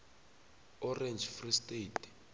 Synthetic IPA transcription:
ɔrɛnd͡ʒfristʼet

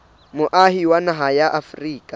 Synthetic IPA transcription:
mʊʔaɦiwanaɦajaʔafriːkʼa

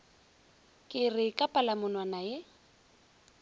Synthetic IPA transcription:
kʼɪrɪkʼapʼalamʊnwanaje

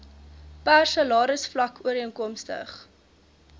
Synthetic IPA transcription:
pæːrsɐlɑːɾəsflɐkʰuəɾiəŋkɔmstə̰χ

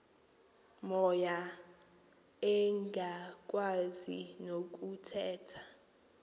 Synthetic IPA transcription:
mɔja | ɛŋɡʱak̬ʼwazḭnok̬ʼutʰɛːtʰḁ

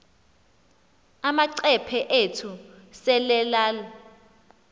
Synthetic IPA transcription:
amaǀɛpʰɛʔetʰu | sɛlɛlaːlɔ

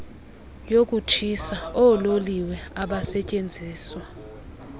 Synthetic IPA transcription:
jok̬ʼut͡ʃʰisaɔloliwɛaɓasɛcʼend͡zʱiːswa

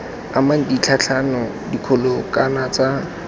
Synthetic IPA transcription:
amaŋ̩dit͡ɬʰat͡ɬʰanɔ | dikʰolokʼanat͡sa

